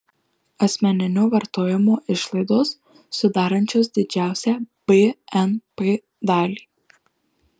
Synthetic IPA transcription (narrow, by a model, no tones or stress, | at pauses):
ɐsʲmʲɛnʲɪnʲʊʋɐɾt̪oːjɪmoːʔɪʃlˠɐɪd̪oːsː | ʊd̪ɑːɾɐnʲt͡ʃʲoːs̬d̪ʲɪd͡ʒʲæˑʊsʲæːb̥eɛnpe | d̪ɑːlʲiː